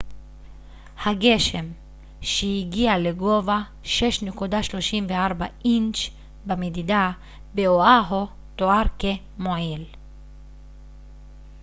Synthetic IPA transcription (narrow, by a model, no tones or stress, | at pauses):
haɡe̞ʃe̞m | ʃeiɡialeɡo̞va | ʃeʃnekud̪aʃlo̞ʃimveaʁbaʔint͡ʃ | bamed̪id̪a | beoaɦo | t̪oaʁke | moʕil